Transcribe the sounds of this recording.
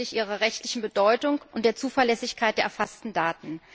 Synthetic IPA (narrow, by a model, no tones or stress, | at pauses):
ɪçʔiːʁ̞ɐʁɛçtlɪçn̩bədɔʏtʊŋʔʊntd̥eːɐt͡suːfɛɐlɛsɪçkʰaɪt̚d̥eːɐɛɐfastn̩daːtn̩